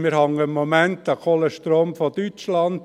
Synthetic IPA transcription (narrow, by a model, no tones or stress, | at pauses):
mɪɾhɑŋəmomæntɑkʰoləʃtɾoːmfɔtyt͡ʃlɑnd